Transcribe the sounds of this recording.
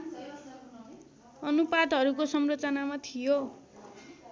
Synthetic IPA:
ʌnupad̪ɦʌɾukosʌmrʌt͡sʌnamat̪ʰijo

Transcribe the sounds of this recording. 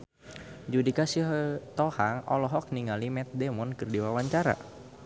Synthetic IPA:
d͡ʒudikasiɦt̪ɔhaŋɔ̰lɔɦɔk̚niŋalimɛt̪̚demɔnkɨrdiwawaɲt͡ʃaɾa̰

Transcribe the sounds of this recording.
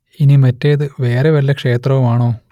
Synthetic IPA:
inimɐtːejðɨʋe̞ːreʋɐlːɐkʂe̞ːt̪rɐʋumaːɳoː

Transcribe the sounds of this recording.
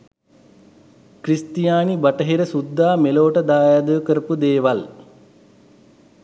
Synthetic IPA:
kɾist̪ijaːnibɐʈəɦiɾəsud̪ʱːaːmeloːʈəd̪aːjad̪oːkəɾəpud̪eːʋal

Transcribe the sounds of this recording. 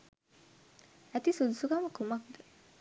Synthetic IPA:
æt̪isud̪usukaməkumak̚d̪əə

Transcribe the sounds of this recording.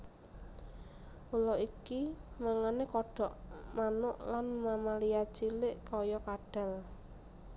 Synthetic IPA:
ʔulɔikimaŋanekɔɖ̥ɔ̤ʔmanʊʔlanmamalijat͡ʃilɪʔkɔjɔkaɖ̥ɛ̤l

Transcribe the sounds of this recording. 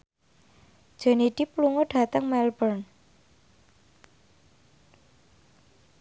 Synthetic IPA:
ʒ̥ə̤niɖ̪̥ipluŋoɖ̥a̤t̪əŋmɛlbərn

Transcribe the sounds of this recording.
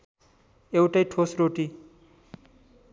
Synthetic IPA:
ewʈʌjʈʰosroʈi

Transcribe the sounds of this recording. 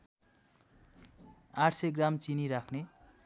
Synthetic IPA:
aʈʰseɡramt͡siniɾakʰne

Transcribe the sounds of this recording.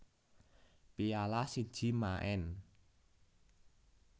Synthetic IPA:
pialasid̥ʒ̥i̤maʔɛn

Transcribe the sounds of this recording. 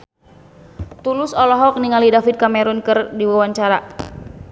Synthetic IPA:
t̪ulʊsɔlɔɦɔk̚niŋalidafit̪̚kamɛɾunkɨrdiwawaɲt͡ʃaɾa

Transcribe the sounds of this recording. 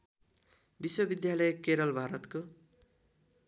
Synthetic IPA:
biswʌbid̪jalʌjekeɾʌlbʱaɾʌt̪ko

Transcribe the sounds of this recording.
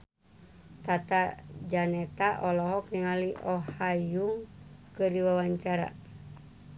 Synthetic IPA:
t̪at̪ad͡ʒanɛt̪aʔɔlɔɦɔk̚niŋaliʔɔhajuŋkɨriwawaɲt͡ʃaɾa̰

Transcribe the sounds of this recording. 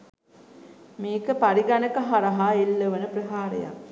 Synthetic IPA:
meːkəpaɾiɡanəkɐɦaɾɐɦaelːəʋənəprəɦaːɾḛja̰

